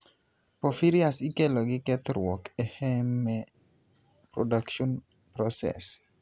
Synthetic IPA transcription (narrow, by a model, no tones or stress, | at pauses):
pɔfiɾijasikɛlɔɡɪkɛt̪ɾwɔkɛhɛmɛ | pɾodakʃɔn | pɾɔsɛ̰s